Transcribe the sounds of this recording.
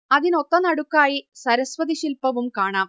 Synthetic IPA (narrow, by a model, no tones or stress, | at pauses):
ɐðinot̪ːɐnɐɽukːaːjisɐɾɐsʋɐðiɕilpɐʋumkaːɳaːm